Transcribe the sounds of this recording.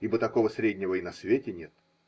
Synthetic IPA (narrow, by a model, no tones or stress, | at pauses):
ibət̪ɐko̞vəsɾʲedʲnʲɪvəinɐsvʲetʲɪnʲet̪